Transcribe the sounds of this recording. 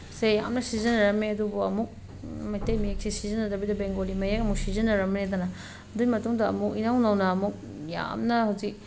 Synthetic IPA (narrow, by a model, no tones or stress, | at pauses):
seja̰mnɐsizɐnɐɾɐmeɐdubuɐmuk̚ | mɐjtejmiek̚sisizɐnːɐdɐbidɐbeŋɡolimɐjakɐmuk̚sizɐnːɐɾɐmned̪ɐnɐ | ɐdumɐtuŋdɐɐ̰muk̚inawnɐwnɐːmuk̚ | ja̰mnɐhɐwzik̚